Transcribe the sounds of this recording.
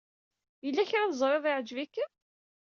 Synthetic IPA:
jəlːæçɾæðzˤɾˤeðˤɪʕd͡ʒvikː

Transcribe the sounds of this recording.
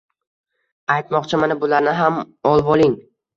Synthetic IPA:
ajt̪mɒqt͡ʃʰamanabʊlaɾnɪɦam | ɒlˠbɒlˠɪŋ

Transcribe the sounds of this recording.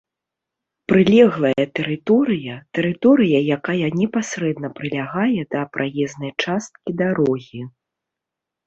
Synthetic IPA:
pɾɨlʲɛɣlˠɐjɐt̪ɛɾɨt̪ɔɾɨjɐt̪ɛɾɨt̪ɔɾɨjɐjakajɐnʲɛpasɾɛd̪nɐpɾɨlʲaɣajɛd̪ɐpɾʔajɛznɐjt͡ʂast̪̚kʲid̪aɾɔɣʲi

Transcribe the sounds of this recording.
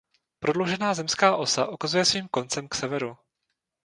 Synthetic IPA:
pɾodlowʒɛnaːzɛmskaːʔo̞sa̰ʔokazujɛsviːmko̞nt͡sɛmksɛvɛɾu

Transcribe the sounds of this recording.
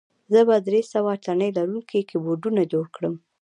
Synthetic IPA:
zəbad̪ɾesawat̪anəjlaɾuŋkekeboɖunad͡ʒoɽkɽəm

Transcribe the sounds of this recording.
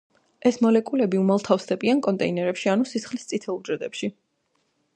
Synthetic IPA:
ɛsmɔlɛkʼulɛbiumalˠt̪ʰafsd̪ɛbiankʼɔnt̪ʼɛinɛɾɛpʃianusisχlist̪sʼit̪ʰɛulˠd͡ʒɾɛd̪ʼɛpʃi

